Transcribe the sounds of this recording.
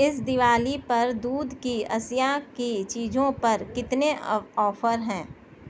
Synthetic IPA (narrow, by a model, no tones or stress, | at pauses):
ɪsd̪ɪʋaːlipɐɾd̪uːd̪ʱkiɐsjakit͡ʃiːd͡ʒõpɐɾkɪt̪neɔːfʰəɾɦɛ̃ː